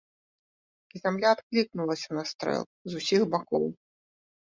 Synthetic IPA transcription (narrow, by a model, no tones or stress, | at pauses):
izʲamlʲaːt̪klʲiknulˠɐsʲɐnast̪ɾɛ̰lˠzusʲixbakɔ̰w